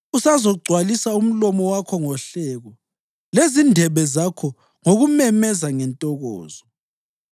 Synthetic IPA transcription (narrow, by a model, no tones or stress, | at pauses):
usazɔɡ͡ǀʱwalisaum̩lɔmɔwakʰɔŋɔɬɛɣɔ | lezindʱɛβɛzakʰɔ | ŋoɣumɛmɛzaŋɛntʼɔɣɔ̰ːzɔ